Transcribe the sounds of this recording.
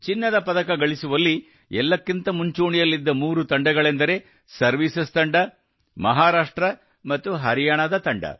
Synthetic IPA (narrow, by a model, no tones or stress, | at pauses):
t͡ʃinːɐd̪ɐpɐd̪ɐkɐɡɐɭisuʋɐlːi | ɛlːɐkːint̪ɐmuɲt͡ʃuːɳijɐlːid̪ːɐmuːɾut̪ɐɳɖɐɡɐɭend̪ɐɾe̞ | sɐɾʋisɐst̪ɐɳɖɐ | mɐɦaːɾaːʂʈɾɐ | mɐt̪ːuɦɐɾijaːɳɐd̪ɐt̪ɐɳɖɐ̰